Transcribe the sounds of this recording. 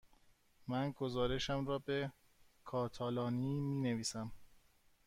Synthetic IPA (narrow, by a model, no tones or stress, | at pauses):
mænɡozɒːɾe̞ʃæmɾɒːbe | kʰɒːt̪ʰɒːlɒːniːmiːneviːsæm